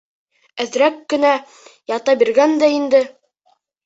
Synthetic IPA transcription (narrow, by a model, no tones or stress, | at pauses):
æðɾækːɘ̆næ | jɑt̪ɑbiɾɡænd̪æind̪ɘ